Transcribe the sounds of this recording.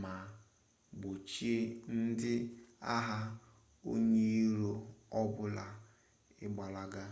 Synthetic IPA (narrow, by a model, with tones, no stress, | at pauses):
ma˨ | ɡ͡bo˨t͡ʃi˦e˦n̩˦dɪ˦a˦ɦa˦ | o̰˦ɲe˦i˦ɾo˦ɔ˦bʊ˦la˨ | ɪ˦ɡ͡ba˨la˦ɡa˦